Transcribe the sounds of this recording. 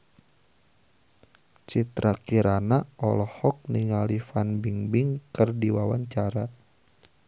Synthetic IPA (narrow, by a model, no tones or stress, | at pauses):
t͡ʃit̪ɾakiɾanaɔlɔhɔk̚niŋalifanbiŋbiŋkɨrdiwawaɲt͡ʃaɾa